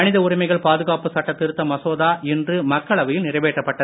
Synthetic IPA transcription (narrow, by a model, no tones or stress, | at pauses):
ɐnɪðɐʊɾɪmɐɪɣɐɭpaːðɯɣaːpɯsɐʈːɐt̪ːɪɾɯt̪ːɐmɐsoːðaːɛndrɯmɐkːɐɭɐʋɐjɪlnɪrɐʋeːʈrɐpːɐʈːɐð